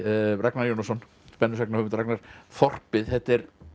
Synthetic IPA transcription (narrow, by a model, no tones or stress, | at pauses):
raknaɾjownɔsɔn | pɛnːʏsɛknahœvmɪt̪aɾaknaɾ̥fɔr̥pɪðhɛht̪ɛɾ